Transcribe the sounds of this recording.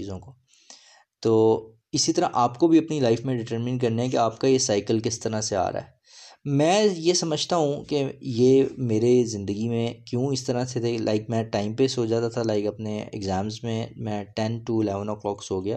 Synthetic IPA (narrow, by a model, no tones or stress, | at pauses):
iːzõko | t̪oː | ɪsit̪ɐɾaʔaːpkobʱiɐpnilaɪfmẽɖɪʈəɾmɪ̃nk̬ɐɾneɦɛ̃k̬eaːpkajesaːɪkəlkɪst̪ɐɾasea̰ːɾa̰ɦɛː | mɛ̃ːjesɐməd͡ʒʱt̪aɦũkejeːmeːɾezɪ̃nd̪əɡimẽkjũɪst̪ɐɾaset̪ʰelʔaːɪkmɛ̃ʈaːɪmpesoːd͡ʒaːt̪at̪ʰalaːɪkɐpneɛ̰ɡzɛ̃ːmzmẽmɛ̃ːʈɛnʈuɪlɛːʋə̃nɔklɔːksoːɡɐjaː